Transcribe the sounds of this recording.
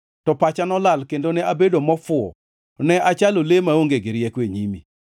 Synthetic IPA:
tɔpat͡ʃanɔlalkendonɛabedomɔfʊɔ̰ | nɛʔat͡ʃalolemaoŋɡeɡɪɾjɛkweɲimḭ

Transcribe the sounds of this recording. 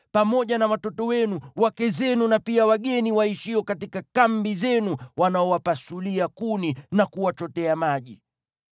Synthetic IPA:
pamɔʄanawatɔtɔwɛnuwakɛzɛnunapiawaɠɛniwaiʃiɔkatikakambizɛnuwanaɔwapasuliakuninakuwat͡ʃɔtɛamaʄi

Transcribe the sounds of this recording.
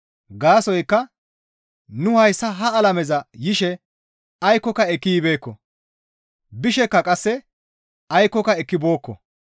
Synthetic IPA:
ɡaːsɔjkːɐ | nʊhɐjsːɐɦɐɐlɐmɛzɐjɪʃɛ | ɐjkːɔkɐɛkːijbe̞ːkːɔ | bɪʃɛkːɐkʼɐsːɛ | ɐjkːɔkɐɛkːɪbo̞ːkːɔ

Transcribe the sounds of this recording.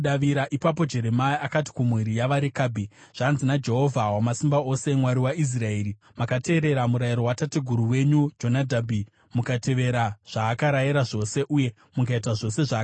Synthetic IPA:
ɗaʋiɾaʔipap̬o̞d͡ʒe̞ɾe̞maiakati̥kumwiɾijaʋaɾikabʱiʐ̥aːnzinad͡ʒe̞ɦo̞vʱawamasimbao̞se̞mwaɾiwais̬rae̞ːɾi | makate̞ːɾe̞ɾamuɾajiɾo̞watatiɡʱuɾuwe̞ɲud͡ʒo̞nadʱabʱi | mukate̞ʋe̞ɾaʐ̥aːkaɾajiɾaʐo̞se̞ʔuje̞ | mukait̬aʐo̞se̞ʐaː

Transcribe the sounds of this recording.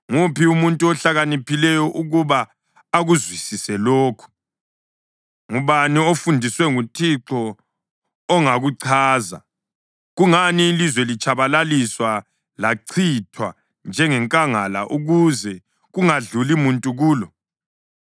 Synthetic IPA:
ŋupiumuntʼuɔɬaɣanipʰilɛjɔʔuɣuβaː | ɣuzwisisɛloːkʰu̥ | ŋuβaniofundʱiswɛŋutʰiǁɔː | ŋaɣuǀʰaːza̰ | ɣuŋaniːlizwɛlit͡ʃʼʰaβalaliswa | laǀʰitʰwa | nd͡ʒʱɛŋɛŋkʼaŋala̰ʔuɣuzɛ | ɣuŋaɮulimuntʼuɣuːlɔ

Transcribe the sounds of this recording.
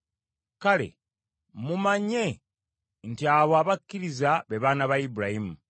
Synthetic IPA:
kale̞̰ | mumaɲe̞ | ntiaβwaːβakʲːiɾizaβeβaːnaβaibuɾahimu

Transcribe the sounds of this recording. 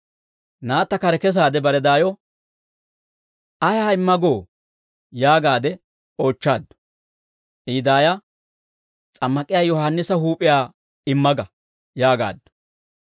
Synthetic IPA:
naːt̪ːɐkɐɾɛkɛs̬aːd̪ɛbɐɾɛd̪aːjɔ | ɐjaːɪmːɐɡoː | jaːɡaːd̪ɛ | o̞ːt͡ʃːa̰ːd̪ːʊ̥ | ʔiːd̪aːjɐ | t͡sʼɐmːɐkʼɪjaːjɔhɐnːɪsɐɦuːpʼɪjaː | ɪmːɐɡɐ | jaːɡa̰ːd̪ːɔ̥

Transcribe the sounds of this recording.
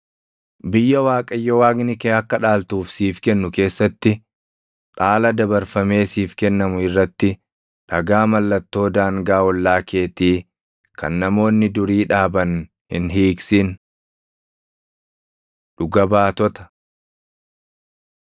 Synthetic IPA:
bɪjːɐwaːkʼɐjːɔwaːɡnɪkeːɐkːɐᶑaːlt̪uːfsiːfkɛnːʊke̞ːsːɐt̪ːɪ | ᶑʼaːlɐd̪ɐbɐɾfɐme̞ːsiːfkɛnːɐmʊɪrːɐt̪ːɪ | ᶑɐɡaːmɐlːɐt̪ːo̞ːd̪aːŋɡaːwɔlːaːke̞ːt̪iː | kɐ̰nːɐmo̞ːnːɪd̪ʊɾiːᶑaːbɐn | hɪ̰nɦiːksɪn | ᶑʊɡɐbaːt̪ɔt̪ɐ̥

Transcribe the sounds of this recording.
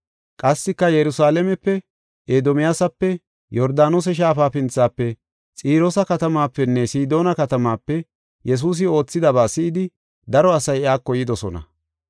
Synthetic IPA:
kʼɐsːɪkːɐjɛɾʊsaːlɛmɛpːɛ | ʔeːd̪ɔmɪjasɐpːɛ | jɔɾd̪aːnos̬ɛʃ̬aːfaːfɪnt͡sːaːpːɛ | t͡sʼiːɾɔsɐkɐt̪ɐmaːpːɛnːɛsiːd̪o̞ːnɐkɐt̪ɐmaːpːɛ | jɛs̬uːs̬ɪo̞ːt͡sːɪd̪ɐbaːsɪʔɪd̪ɪ | d̪ɐɾɔɐsɐjɪaːkːɔjɪd̪ɔsɔ̰nɐ̰

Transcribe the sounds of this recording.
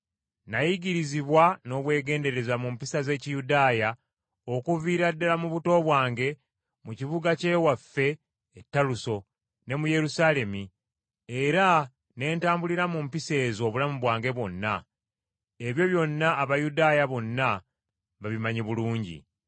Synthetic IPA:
najiɟiɾiziβwano̞ːβwe̞ːɡe̞ːnde̞ɾe̞zamumpisaze̞ːcijudaːja | o̞kuviːɾadːalamuβuto̞ːβwaːŋɡe̞ | mucivuɡace̞wafːe̞ː | tːaluso̞ | ne̞muje̞ɾusaːle̞mi | eɾa | ne̞ːntaːmbuliɾamumpise̞ːzo̞ːβulamuβwaːŋɡe̞βwo̞nːa | e̞βjo̞βjo̞nːaːβajudaːjaβo̞nːa | βaβimaɲiβuluːɲɟḭ

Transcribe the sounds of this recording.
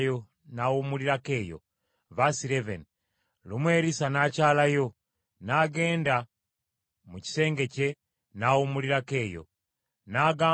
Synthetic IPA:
jo | nawumuliɾake̞ːjo̰ | βasiɾevḛn | lumweːɾisanacaːlajo̞ | naɡe̞ːnda | muci̥se̞ːŋɡe̞ce̞ | nawumuliɾake̞ːjo̰ | naːɡaː

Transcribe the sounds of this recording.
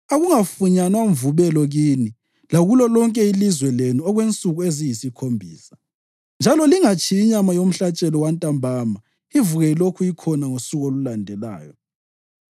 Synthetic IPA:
aɣuŋafuɲanwauɱvuβɛlɔɣiːni | laɣulɔlɔŋkʼɛilizwɛlenuɔɣwent͡sʼuɣuezijisikʰombʱiːsḁ | nd͡ʒʱalɔliŋat͡ʃʰiːɲamajom̩ɬat͡ʃʼɛlɔwantʼambʱama | ivuɣɛilokʰuikʰɔnaŋosuɣolulandʱɛla̰ːjɔ

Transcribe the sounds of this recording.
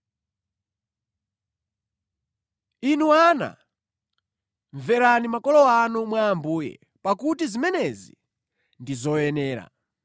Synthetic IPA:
inuana̰ | ɱvɛɾanimakɔlɔanumwaːmbuːjɛ̰ | pakutizimɛnɛzḭ | ndizɔjɛnɛːɾa̰

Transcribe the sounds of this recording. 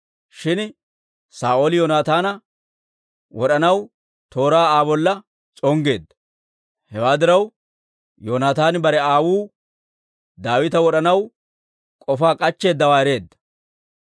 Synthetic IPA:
ʃɪn | saːʔoːlɪjoːnaːt̪aːnɐ | wɔɗɐnɐw | t̪o̞ːɾaːaːbɔlːɐ | t͡sʼɔŋɡe̞ːd̪ːɐ̥ | hɛwaːd̪ɪɾɐw | joːnaːt̪aːnbɐɾɛaːwuː | d̪aːwɪt̪ɐwɔɗɐnɐw | kʼɔfaːkʼɐt͡ʃːe̞ːd̪ːɐwaːɛɾe̞ːd̪ːɐ̥

